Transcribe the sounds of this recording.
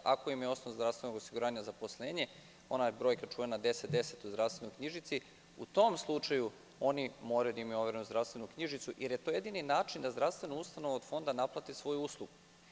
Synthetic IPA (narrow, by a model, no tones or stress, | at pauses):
a̰ko̞imjeo̞snoʋzd̪ɾavst̪ʋenoɡosiɡuɾaːɲazapo̞slˠeːɲe̞ | o̞nabɾo̞ːjkat͡ʃuʋenad̪e̞set̪d̪e̞se̞t̪uzd̪ɾast̪enojkɲiʒit̪si | ṵt̪o̞mslˠut͡ʂaju | o̞nimo̞ːɾajud̪aimioʋeɾenuzd̪ɾaʋst̪e̞nukɲiʒit̪suʔjʔeɾje̞t̪o̞ːjed̪ininaːt͡ʃind̪azd̪ɾafst̪ʋe̞noust̪ano̞ʋaod̪fo̞nd̪anaplˠat̪isʋo̞juuslˠuɡu